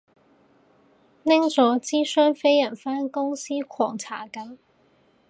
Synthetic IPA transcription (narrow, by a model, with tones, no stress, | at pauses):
nɪ˥ŋt͡sɔː˨˥t͡siː˥sœː˥ŋfe˥jjɐ˨˩nfaː˥nkʊ˥ŋsiː˥kʰɔː˨˩ŋt͡sʰaː˨˩kɐ˨˥m